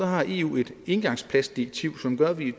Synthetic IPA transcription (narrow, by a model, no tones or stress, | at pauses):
ɒ̽ɦɑ̈ʔe̝̰ːṵːe̝d̥e̝nɡ̥ɑ̈ŋspʰlæsd̥iʁeɡ̥̚t͡sʰiʊ̰sɒ̽mɡ̥ɶɐʋi